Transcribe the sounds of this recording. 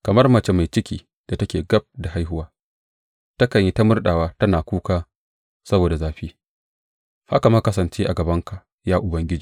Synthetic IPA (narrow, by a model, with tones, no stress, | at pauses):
kɐ˨mɐ˦rmɐ˨t͡ʃe˦ma˨jt͡ʃɪ˦kʲiː˦ | d̥a˨tɐ˦kʲeː˨ɡɐ˦b̚da˨ɦa˦jɦʊ˦waː˦ | tɐ˦kɐ˨ɲji˦ta˦mʊ˦rɗaː˨waː˦tɐ˦naː˨kʷuː˦kaː˦ | sɐ˦boː˨da˨zaː˨ɸiː˦ | ha̰˦ka˨mɐ˦kɐ˦sɐ˨nt͡ʃeː˦ʔa˨ɡɐ˨bɐ˦ŋka˨ʔ | jaː˦ʔʊ˨bɐ˦ŋɡʲɪ˦d͡ʒiː˨